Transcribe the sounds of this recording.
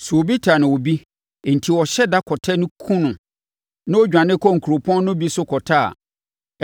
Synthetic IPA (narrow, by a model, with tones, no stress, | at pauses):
sʊ˨o˨bi˦tʰa˨nɪ̃˨wɔ˨bi˦˨ | n̩˨tʰi˨wɔ˨ɕɛ˦da˦kʰɔ˨tʰɛ˦nʊ̃˦kʰũ˦nʊ̃˨ | nã˦wɔ˦d͡ʑᶣã˨nɪ̃˦kʰɔ˦ŋ̩˨kʰu˨ɾo˨pʰɔ̃˦n˦nʊ̃˦bi˦sʊ˦kʰɔ˨tʰa˦˨a̰˨